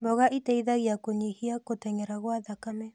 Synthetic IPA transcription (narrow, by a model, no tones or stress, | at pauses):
bɔɣaʔitaiðaɣiakoɲihiakotɛɲɛɾaɣwaðakamɛ